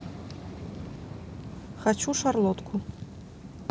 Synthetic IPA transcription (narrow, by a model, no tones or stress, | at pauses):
xat͡ɕuʂarlˠɔt̪kʰu